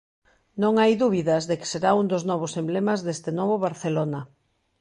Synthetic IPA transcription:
nõŋajðuβ̞iðɐzðekɪ̥seɾaund̪oznɔβ̞osemblemazðest̪ɪnɔβoβaɾθelonɐ

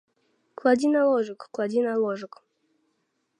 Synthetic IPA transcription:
klˠad̪ʲinalˠoʐɨkklˠad̪ʲinalˠoʐək

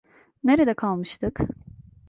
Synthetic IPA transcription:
neɾed̪ɛkʰalˠmɯʃt̪ʰɯk

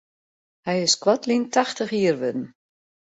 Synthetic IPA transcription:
hɛjɪskwɔtlintaxtəxiərʋɪdn̩

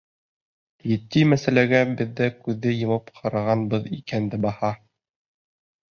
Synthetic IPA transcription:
jɘ̆t̪ːimæsælæɡæbɘ̆ðːækʉðːɘjɤ̆mɑpqʰɑɾɑʁɑnbɤðikænd̪ɘbɑhɑ

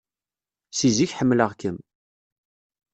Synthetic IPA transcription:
siziçħəmːləʁkəm

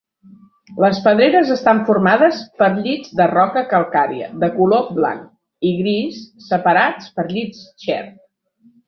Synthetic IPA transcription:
ləspəð̞ɾeɾəzəst̪aɱfurmaðəspəɾʎid͡zd̪ərɔkəkəlˠkaɾiə̰ðəkulobla̰ŋk | iɣɾisːəpəɾat͡spəɾʎit͡sʃɛ̰r

